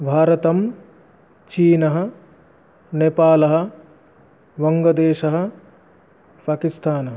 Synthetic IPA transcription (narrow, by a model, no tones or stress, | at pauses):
bʱaːɾɐt̪ɐm | t͡ʃiːnɐɦɐ̆ | neːpaːlɐɦɐ̆ | ʋɐŋɡɐd̪eːʃɐɦɐ̆ | paːkist̪ʰaːnɐɦɐ